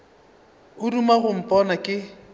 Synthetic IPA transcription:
ʊrumaɣʊm̩pʼɔnakʼɪ

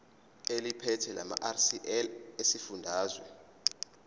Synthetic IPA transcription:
elipʰɛtʰɛlʔa̰ma̰ʔarsiʔɛlesifundʱaːzwɛ

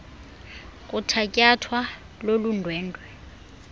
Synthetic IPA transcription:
kʼutʰakʼjatʰwa | lolundʱwɛːndʱwɛ

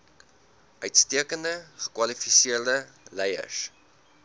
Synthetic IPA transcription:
ʔœɥtstiəkəndəχə̥kwɐlifisiərdəlɛjə̰s

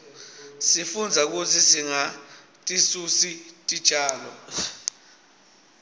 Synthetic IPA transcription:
sifund͡zʱak̬utʰisiŋa | tʼisusitʼid̥t͡ʃʰʼaːlɔ

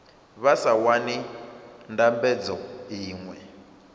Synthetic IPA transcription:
βasawanindambɛd͡zɔɦiːŋwɛ

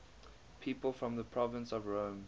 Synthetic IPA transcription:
pʰiːˑpəlˠfɹɔ̃mðəpʰɹ̥ɔvə̃nsɔvɹõʊ̃m

